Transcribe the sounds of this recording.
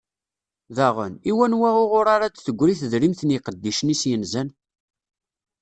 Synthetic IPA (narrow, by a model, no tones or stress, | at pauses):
ðæʁə̰niwænwæʁʊʁʊɾaɾat͡sθəɡʷːɾiθəðɾimθəniqəd̪ːiʃənisjənzæn